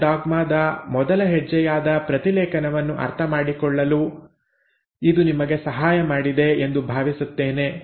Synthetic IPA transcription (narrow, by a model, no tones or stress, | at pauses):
ɖaːɡmaːd̪ɐmɔd̪ɐlɐɦɛd͡ʒːɛjaːd̪ɐpɾɐt̪ilɛːkɐnɐʋɐnːuʔɐ̰ɾt̪ʰɐmaːɽikɔɭːɐlu | id̪unimɐɡe̞sɐɦaːjɐmaːɽid̪e̞end̪ubʱaːʋisut̪ːeːne̞